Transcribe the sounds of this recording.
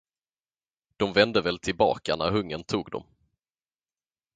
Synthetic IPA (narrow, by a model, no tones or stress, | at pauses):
d̪̥ɔmvɛnd̪əvɛːlt̪ʰɪlbɑ̰ːkanæɦɵŋːənt̪ʰuːɡd̪ɔ̰m